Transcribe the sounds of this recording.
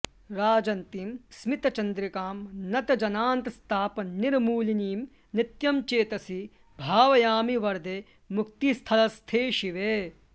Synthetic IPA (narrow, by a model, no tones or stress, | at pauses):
ɾaːd͡ʒɐnt̪imsmit̪ɐt͡ʃɐnd̪ɾikaːmnɐt̪ɐd͡ʒɐnaːnt̪ɐst̪ʰaːpɐniɾmuːliniːm | nit̪jɐmt͡ʃeːt̪ɐsi | bʱaːʋɐjaːmiʋɐɾd̪ʱe | muk̚t̪ist̪ʰɐlɐst̪ʰeːʃiʋeː